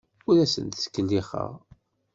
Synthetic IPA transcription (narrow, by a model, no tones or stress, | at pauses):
ʊɾæsə̰nt̪skːəlːiχə̰ʁ